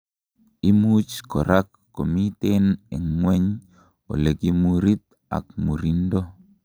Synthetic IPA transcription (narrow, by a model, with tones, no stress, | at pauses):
i˦mu˦t͡ʃkɔ˨ɾʔa˦kːo˨mi˦te˦nɛ˨ŋwɛ˦ɲ | o̰˨le˨ki˦mu˨ɾi˦t̪̚ | a̰˨k̚mu˨ɾi˦ndo˦